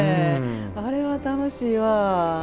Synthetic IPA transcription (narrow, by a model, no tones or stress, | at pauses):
aɾe̞βat̪ano̞ɕiːβa